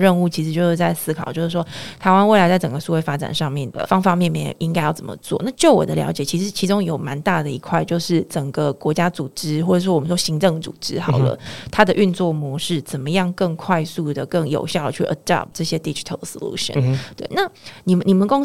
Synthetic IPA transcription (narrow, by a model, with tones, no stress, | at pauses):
ɻə˥˧nu˥˩t͡ɕʰi˧˥ʂɻ̩˧t͡ɕo˥˧ʊʂɻ̩˥˧˩t͡sa˥˩ɪsɹ̩˥kʰɑ˨˩ʊt͡ɕjo˥˧ʊʂɻ̩˥˩ʂwɔ˥t̪ʰa˧˥ɪwa˥nwe˥˩ɪa˧˥ɪt͡sa˥˩ɪʈ͡ʂə˨˩ŋɡə˩su˥˧˩we˥˩ɪfa˥ʈ͡ʂa̰˨˩nʂɑ˥˧ŋmjɛ˥˩nd̪ə̰˩fɑ˥ŋfa˨mjɛ˥˧nmjɛ̰˨˩ʔi˥ŋka˥ɪjɑ˥˩ʊt͡sə˨˩mə̰˩t͡swɔ̰˥˧˦na˥˧t͡ɕjo˥˩ʊwɔ̰˨˩d̪ə˦ljɑ̰˧˥ʊt͡ɕjɛ˨˩t͡ɕʰi˧˥ʂɻ̩˧˥t͡ɕʰi˧˥ʈ͡ʂʊ˥ŋjo˨˩ʊma˧˦nt̪a˥˩d̪ə˩i˧˥kʰwa˥˧ɪt͡ɕjo˥˧ʊʂɻ̩˥˩ʈ͡ʂə˨˩ŋɡə˦kwɔ˧˥t͡ɕja˥t͡su˨˩ʈ͡ʂɻ̩˥xwɔ˥˩ʈ͡ʂə˨˩˥ʂɔ˥wɔ˨mə˦˩ʂwɔ˥ɕi˧˥ŋʈ͡ʂɤ˥˩ŋt͡sṵ˨˩ʈ͡ʂɻ̩˧˥xɑ˨˩ʊlə̰˦t̪ʰa˥d̪ə˨ʔy˥˧nt͡swɔ˥˩mwɔ˧˥ʂɻ̩˥˩t͡sə˨˩nmə˦jɑ˥˧ŋkə˥˧ŋkʰwa˥˧ɪsu˥˩d̪ə˩kə˥˩ŋjo̰˨˩ʊɕjɑ˥˩ʊd̪ə˨t͡ɕʰy˥˩ʔə˧˩d̪a̰˥p̚ʈ͡ʂɤ˥˩ɕjɛ˦˥d̪i˥d͡ʒi̥˨˩tʰə̰˨˩lso̰˨˩lṵ˦˥ɕə̰˨nt̪we˥˩ɪna˥˩ni˨˩˨ni˨˩mə˨nko˥ŋ